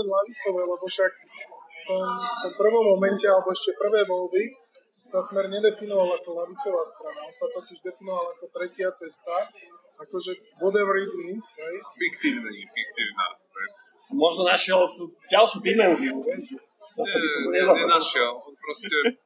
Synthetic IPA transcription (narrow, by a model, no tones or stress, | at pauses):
ɛlaʋit͡sɔʋɛːlɛbɔfʃak̚ | ft̪ɔmft̪ɔmpr̩ʋɔmːɔmɛncɛalɛbɔɛʃcɛpr̩ʋɛːʋɔlbi | sasmɛɾɲɛd̪ɛfinɔʋalakɔlaʋit͡sɔʋaːst̪ɾanaɔnsat̪ɔciʒd̪ɛfinɔʋalakɔt̪ɾɛcɪat͡sɛst̪a | akɔʒɛ | ʋɔd̪ɛʋɾid̪nisɦɛjfikt̪iːʊnifik̚t̪iːʊna̰ | ɛ̰t͡smɔʒnɔnaʃɪɛlt̪uɟalʃud̪imɛnziuʋɛʒɛ | t̪ɔsabisɔmɔɲɛzaɛnaʃɛlɔnpɾɔsɛ